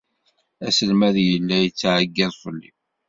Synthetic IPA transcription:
æsəlmæðjəlːæjət͡sːʕəɡːæðˤfˤəlːḭ

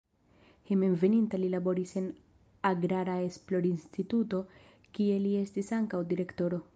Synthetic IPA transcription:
hemenve̞nintalilabo̞ɾise̞n | aɡɾaɾae̞splo̞ɾinstituto̞ | kie̞lie̞stisaŋkawdiɾe̞kto̞ɾo̞

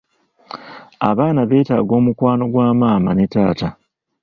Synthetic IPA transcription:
a̰βaːnaβe̞ːta̰ːɡo̞ːmukwaːno̞ɡwaːmaːmane̞ta̰ːta

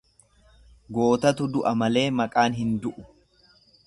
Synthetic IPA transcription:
ɡo̞ːt̪ɐt̪ʊd̪ʊʔɐmɐle̞ːmɐkʼaːnɦɪnd̪ʊʔʊ

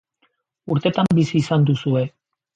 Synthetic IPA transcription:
uɾt̪e̞t̪ambisiːsand̪usue̞

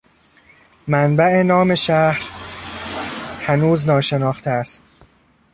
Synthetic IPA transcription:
mænbæʔe̞nɒːme̞ʃæhɾ | hænuːznɒːʃe̞nɒːxt̪ʰeæst̪

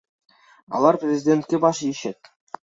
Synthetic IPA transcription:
ɑ̰lˠɑrprʲezʲidʲent̪̚ʲkʲebɑʂjiɕɘt̪̚ʲ

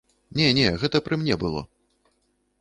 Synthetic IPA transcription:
nʲɛnʲɛɣɛt̪ɐpɾɨmnʲɛbɨlˠɔ̰

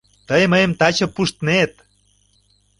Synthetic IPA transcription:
t̪əjməjə̆mt̪ɑt͡ɕɤ̆pːuʃt̪net̪̚

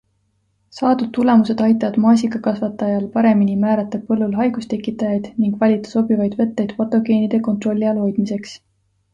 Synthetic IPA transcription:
sɑːd̪ud̪̚t̪ːule̞muse̞d̪ɑjt̪ːˑɑvɑd̪̥mɑːs̬ʲikɑkɑsvɑt̪ːˑɑjɑlpɑɾe̞minimæːɾɑt̪ːˑɑpɤlːulɦɑjɡ̥ust̪e̞kːˑit̪ːˑɑjɑjd̪̥niŋɡ̥vɑlʲit̪ːˑɑ̥so̞bivɑjd̪vɤ̞t̪ːejd̪̥pot̪ːˑo̞ɡe̞ːnid̪e̞ko̞nt̪ro̞lʲːiɑlo̞jd̪̥mise̞ks

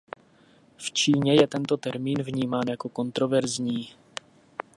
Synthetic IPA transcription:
ft͡ʃiːɲɛjɛt̪ɛnt̪o̞t̪ɛɾmiːnvɲiːmaːnjako̞ko̞nt̪ɾo̞vɛɾzɲiː

